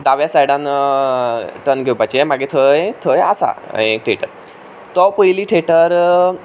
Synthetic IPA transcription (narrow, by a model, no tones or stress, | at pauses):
d̪aʋjasajɽãn | ʈənɡʱewpajt͡ɕiemaɡet̪ʰəjt̪ʰəja̰sa̰ek̚ʈʰeʈəɾ | t̪ɔpəjliːʈʰeʈəɾ